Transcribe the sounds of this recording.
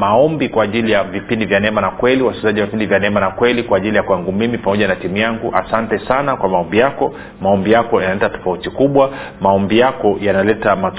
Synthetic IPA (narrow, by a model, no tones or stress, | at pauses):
maɔmbikwaːʄilijavipindivjanɛmanakwɛliwaskizaʄiwavipindivjanɛmanakwɛlikwaːʄilijakuaŋɡumimipamɔʄanatimujaŋɡuʔa̰santɛsanakwamaɔmbijakɔ | maɔmbijakɔjanalɛtatɔ̥fautikuɓwa | maɔmbijakɔjanalɛtamat